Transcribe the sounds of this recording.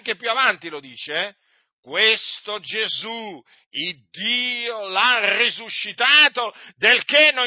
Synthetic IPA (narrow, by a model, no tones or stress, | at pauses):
ŋkepjuavant̪ilod̪iːt͡ʃeɛ | kwest̪od͡ʒezu | id̪ːiːolarizuʃːit̪aːt̪od̪elkenːo